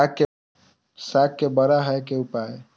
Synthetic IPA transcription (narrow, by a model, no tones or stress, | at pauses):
akːe | sakːebəɾaɦəekeupae